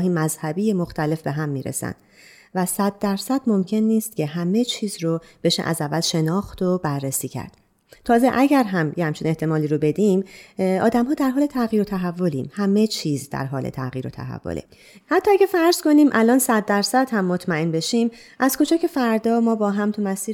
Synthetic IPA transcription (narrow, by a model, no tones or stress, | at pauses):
ɦiːmːæzhæbiːjemoxt̪ʰæle̞fbe̞ɦæmːiːɾḛsæ̰nd̪ | væsæd̪̚ːæɾsæd̪̥mo̞mcʰe̞nːiːst̪̚cʰe̞ɦæme̞t͡ʃʰiːzɾob̥e̞ʃḛʔæ̰zævːælʃe̞nɒːxt̪obærːesiːcʰæ̰ɾd̪̥ | t̪ʰɒːzeʔæɟæɾɦæmjehæmt͡ʃʰine̞ht̪e̞mɒːliːɾobe̞d̪iːmɒːd̪æmhɒːd̪æɾɦɒːle̞t̪ʰæɣiːɾot̪ʰæɦævːo̞lḭːmhæme̞t͡ʃʰiːzd̪æ̰ɾɦɒːlḛt̪ʰæ̰ɣiːɾo̞̰t̪ʰæ̰ɦæ̰vːo̰lʔḛ | hæt̪ʰːɒːæɟʲæfæɾz̥ko̞niːmʔælɒːnsæd̪̚ːæɾsæd̪̥hæmːo̞t̪ʰmæe̞nbe̞ʃimʔæz̥kʰo̞d͡ʒɒːcʰe̞fæɾd̪ɒːmɒːbɒːɦæmt̪ʰumæsiː